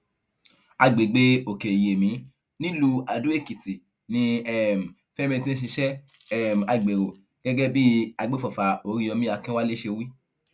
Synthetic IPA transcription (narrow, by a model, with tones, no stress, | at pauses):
a˧ɡ͡be˨ɡ͡be˨˦o˨ke˨je˨mĩ˨˦ | nĩ˦lu˧a˧˨dũ˨˦e˦˨ki˨ti˨ | nĩ˧ɛ˦˨m̩˨ | fɛ˦mĩ˧tĩ˦ʃ̬i˧ʃɛ˦ | ɛ˦˨m̩˨a˧˨ɡ͡be˨ɾo˨ | ɡ̥ɛ˦ɡɛ˦bi˦a˧ɡ͡be˦fɔ˨fa˨o˧ɾĩ˧˦ɔ̃˧mĩ˦a˧kɛ̃˦wa˦le˦ʃe˧wi˦